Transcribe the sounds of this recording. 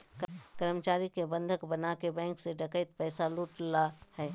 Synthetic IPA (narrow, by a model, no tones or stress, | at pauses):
kəɾmət͡ʃaːɾikebə̃nd̪ʱəkbənakebɛ̃ːŋkseɖəkəɪt̪̚pɛːsaluːʈlahɛː